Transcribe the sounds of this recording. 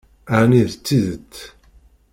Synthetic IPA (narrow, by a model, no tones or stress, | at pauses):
aʕniðt͡sːiðət͡sː